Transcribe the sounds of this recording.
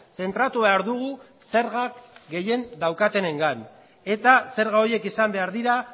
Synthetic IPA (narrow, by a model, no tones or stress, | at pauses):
se̞nt̪ɾat̪uβe̞aɾðuɣ̞u | se̞ɾɣakɡe̞je̞nd̪awkat̪e̞ne̞ŋɡan | e̞t̪ase̞ɾɣao̞je̞kisambe̞aɾðiɾa